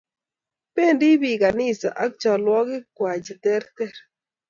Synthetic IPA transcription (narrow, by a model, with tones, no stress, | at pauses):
pe˦˨ndɪ˦bi˨ka˨nɪ˦sa̰˨ʔa˨˦k̚t͡ʃɔ˨lwɔ˦ɡɪ˦kwa˨d͡ʒi˨t̪ɛ˦ɾt̪ɛ˦˨ɾ